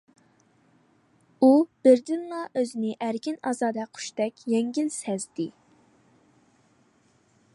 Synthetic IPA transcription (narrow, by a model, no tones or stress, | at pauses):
ub̥ɪɾd̪ɪnlɑʔøzɪnɪʔæɾkʲinɑzɑːd̪ɛqʰʊ̥ʃt̪ɛkʲjɛŋɡʲilsɛzd̪ɪ